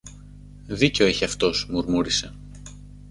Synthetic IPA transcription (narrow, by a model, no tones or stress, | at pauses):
ðiceoiçiɐft̪o̞smuɾmuɾise̞